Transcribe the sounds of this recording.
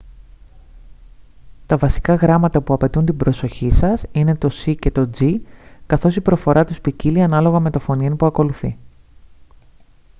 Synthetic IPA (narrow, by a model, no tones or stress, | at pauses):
t̪ɐvɐsi̥kɐɣɾɐmɐt̪ɐpuɐpe̞t̪unt̪ibɾo̞so̞çisɐsine̞t̪o̞sice̞t̪o̞d͡zikɐθo̞sipɾo̞fo̞ɾɐt̪uspiciliɐnɐlo̞ɣɐme̞t̪o̞fo̞nienipuɐko̞luθi